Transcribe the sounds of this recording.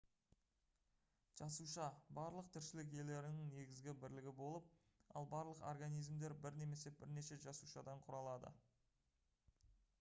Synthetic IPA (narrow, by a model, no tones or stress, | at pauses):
ʒ̥ɑsuʃɑbɑɾlˠəq̚t̪ʰɪɾʃɪlɪk̬je̞le̞ɾɪnɪŋne̞ɡʲɪzɡʲɪbɪɾlɪɡʲɪbo̞lˠəp̚ | ɑ̰lˠbɑɾlˠəqo̰rɡanijzmd̪e̞ɾbɪɾne̞me̞se̞b̥ɪɾne̞ʃe̞ʒɑsuʃɑd̪ɑɴqʰʊɾɑlˠɑd̪ə̰